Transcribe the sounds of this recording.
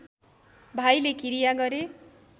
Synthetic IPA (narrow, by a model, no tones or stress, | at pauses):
bʱajlekiɾijaɡʌɾe